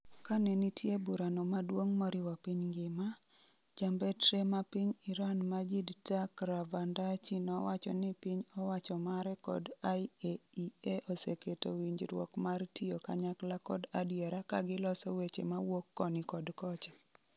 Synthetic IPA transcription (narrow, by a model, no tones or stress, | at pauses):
kanɛnitjebuɾanɔmadwoŋmɔɾɪwapiɲŋɡɪma | d͡ʒambɛtɾemapiɲɪɾanmad͡ʒidtakɾabandat͡ʃinɔwat͡ʃɔ̰nɪpiɲɔwat͡ʃɔmaɾɛkɔ̰dajeieʔoseketo̰wiɲd͡ʒɾwɔ̰kmartioka̰ɲaklakɔdadjeɾakaɡɪlɔsɔwet͡ʃḛmawokːɔnɪkɔdkɔt͡ʃḁ